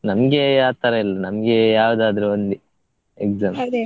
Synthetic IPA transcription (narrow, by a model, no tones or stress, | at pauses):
nɐmɐɡe̞jaːt̪ɐɾeilːɐnɐmɐɡe̞jaːʋd̪aːd̪ɐɾeond̪i | ekzaːm